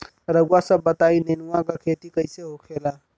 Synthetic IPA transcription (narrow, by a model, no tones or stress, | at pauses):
ɾəɡwasə̃bət̪ainenuwãkakʰet̪ikəjseɦokʰela